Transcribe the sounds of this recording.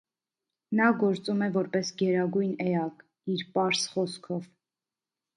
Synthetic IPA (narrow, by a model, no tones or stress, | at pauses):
nɑɡɔɾt͡sumɛvɔɾpɛsɡɛɾɑɡujnɛɑk | iɾpɑɾsχɔskʰɔv